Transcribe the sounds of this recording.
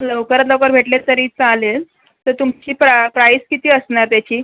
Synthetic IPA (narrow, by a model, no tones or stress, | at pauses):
ləʋkəɾət̪ləwkəɾbʱeʈlet̪əɾiːt͡salel | t̪əɾt̪umt͡ɕiːpɾapɾaiskit̪iːəsnaɾt̪jat͡ɕiː